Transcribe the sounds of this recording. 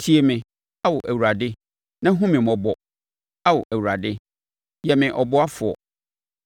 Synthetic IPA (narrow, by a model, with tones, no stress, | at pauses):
tʰi˨˦e˨mɪ̃˨ | a˦wʊ˨ʔæ˨wu˨ɾa˨dɪ˦ | nã˦ɦũ˦mɪ̃˨mɔ˨bɔ˨ | a˦wɔ˨ʔæ˨wu˨ɾa˨dɪ˦ | jɛ˨mɪ̃˨ʔɔ˨bɔ˦a˦fʊ˨ɔ̰˨